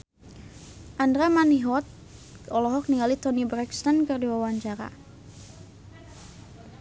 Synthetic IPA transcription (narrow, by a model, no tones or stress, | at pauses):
ʔandɾamaniɦɔt̪̚ | ɔlɔɦɔk̚niŋalit̪ɔnibɾɛkst̪ankɨrdiwawaɲt͡ʃaɾa̰